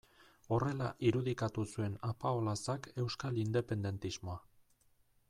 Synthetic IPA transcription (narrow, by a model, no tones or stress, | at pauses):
o̞re̞laʔiɾuðikat̪usue̞napaolasake̞wskalind̪e̞pe̞nd̪e̞nt̪izmo̞a